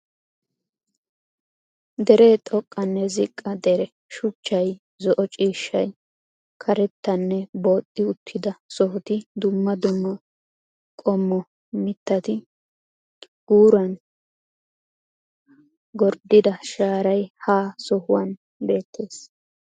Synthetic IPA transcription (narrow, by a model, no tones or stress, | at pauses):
d̪ɛɾeːt̪ʼɔkʼːɐnːɛzɪkʼːɐd̪ɛɾɛ | ʃʊt͡ʃːɐj | zɔʔɔt͡ʃʼiːʃːɐj | kʰɐɾɛt̪ːɐnːɛbo̞ːt̪ʼːɪʊt̪ʰːɪd̪ɐsɔhʊt̪ɪd̪ʊmːɐd̪ʊmːɐ | kʼɔmːɔ | mɪt̪ːɐt̪ɪ | ɡ̥uːɾɐn | ɡɔɾd̪ɪd̪ɐʃaːɾɐjhaːsɔhʊwɐn | be̞ːt̪ʰːe̞ːs